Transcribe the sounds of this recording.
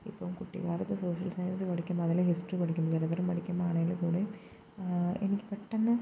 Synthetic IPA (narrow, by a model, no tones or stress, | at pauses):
ḭpːɐʋmkuʈːḭɣaːɾɐt̪ːɨso̞ːʂɐlsɐjɐnsɨʋɐɽikʲːumːboɐðɐlehisʈripɐɽikʲːumːɐðɐɾɐðɐɾɐmpɐɽikʲːumbaːɳɐŋilkuːɽe | enikʲːɨpeʈːenːɐ